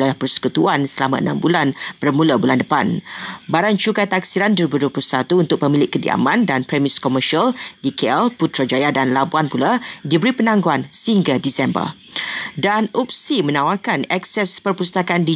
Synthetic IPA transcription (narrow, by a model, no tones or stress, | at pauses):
lajahpərsə̥kut̪uansəlamã̰ə̰na̰mbulanb̥ərmũlabulandəpa̰nbaɾant͡ʃukajt̪aksiɾanduəɾibuduəpuusat̪uunt̪ʊk̚pəmĩlɪʔkːədḭa̰mãndanpɾɛmiskɔməʃialdikeɛlput̪ɾad͡ʒajadanlabuanpuladibəɾipənãŋɡoansəhiŋɡadisɛmbə̰rdanup̚simə̃nawarkanɛksɛspərpust̪akandi